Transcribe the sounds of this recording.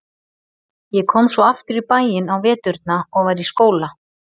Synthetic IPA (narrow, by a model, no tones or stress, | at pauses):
jɛkʰɔːmsvɔaft̪ʏɾipaːjɪnawvɛːt̪ʏɾt̪̚naɔɣvaɾiskoːwla